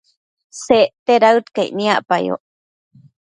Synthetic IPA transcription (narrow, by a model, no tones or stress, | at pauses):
seʔt̪eɾawt̪kaiʔnĩaʔpajo̰